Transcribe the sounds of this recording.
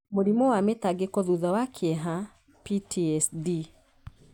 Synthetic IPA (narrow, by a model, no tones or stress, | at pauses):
moɾimɔwametaɡekɔðuðɔwakʰɛɦa | pitʰiɛsdi